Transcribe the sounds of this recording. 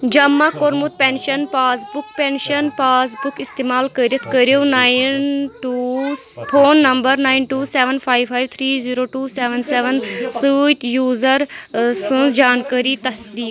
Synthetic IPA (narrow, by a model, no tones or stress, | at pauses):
d͡ʒɐmːakoɾmut̪̚penʃɐnpaːsbuk̚penʃɐnpaːs̬bukist̪eːmaːlkəɾjɐt̪ʰkəɾijonaːjnʈuːpʰoːnːɐmbəɾnaːinʈuːseːʋənpʰaːjpʰaːjʋt̪ʰɾiːziːɾoːʈuːseʋɐnseʋənsɨt̪juːzəɾsɨ̃d͡ʒaːnkəːɾit̪ɐsd̪iːk